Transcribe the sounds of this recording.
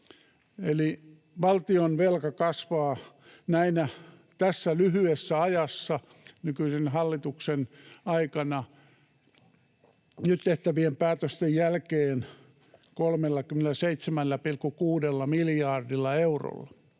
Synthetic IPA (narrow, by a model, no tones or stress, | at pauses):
eli | ʋɑlt̪ionʋelkɑkɑsʋɑː | næinæ | t̪æsːælyhyesːæɑjɑsːɑ | nykyisenhɑlːit̪uksenɑikɑnɑ | nyt̪t̪eht̪æʋiempæːt̪øst̪ejjælkeːn | kolmelːɑkymenelˑæseit̪semælːæpilkːukuːdelːɑmiljɑːrdilːɑeuro̰lːɑ